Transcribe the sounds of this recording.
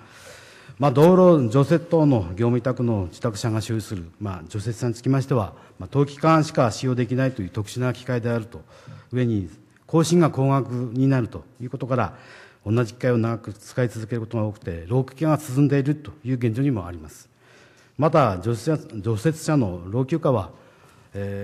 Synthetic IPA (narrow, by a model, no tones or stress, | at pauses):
mad̪o̞ːɾo̞d͡ʑo̞se̞t̪ːono̞ɡʲo̞ːmʲit̪akɯ̟no̞d͡ʑi̥t̪akɯ̟ɕaŋaɕoːisɨɾɯ̟mad͡ʑo̞se̞t͡sɨɕaɲit͡sɨ̥kʲimaɕi̥t̪e̞βa | mat̪o̞ːkʲi̥kãɰ̃ɕi̥kaɕijo̞ːd̪e̞kʲinait̪o̞jɯ̟ːt̪o̞kɯ̟̥ɕinakʲi̥kaid̪e̞aɾɯ̟t̪o̞ɯ̟e̞ɲ̟i | kʰo̞ːɕĩŋɡako̞ːŋakɯ̟ɲ̟inaɾɯ̟t̪ojɯːko̞t̪o̞kaɾa | õ̞nːad͡ʑikʲi̥kaio̞naɡakɯ̟t͡sɨ̥kait͡sɨzɨke̞ɾɯ̟kot̪o̞ɡao̞ːkɯ̟̥t̪e̞ɾo̞ːkʲɯ̥ːkʲaŋasɨzɨ̃nd̪e̞iɾɯ̟t̪o̞jɯ̟ːɡẽ̞ɲ̟d͡ʑo̞ɲ̟imo̞a̰ɾʲimasɨ̥ | mat̪̬a | d͡ʑo̞se̞t͡sɨ̥ɕano̞ɾo̞ːkʲɨːkaβa | e